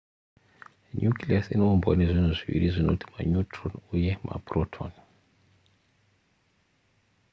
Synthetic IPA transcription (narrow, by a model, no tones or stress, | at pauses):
ɲjukʰliasinoumbɔ̰nezʷinuziʋḭɾizʷinotʰi̥maɲutʰrɔnujɛmʔa̰brɔtʰɔ̰n